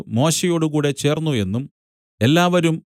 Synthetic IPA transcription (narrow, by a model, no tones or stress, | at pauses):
mo̞ːɕejo̞ːɽukuːɽe̞t͡ɕe̞ːrnːue̞nːum | e̞lːaːʋɐɾum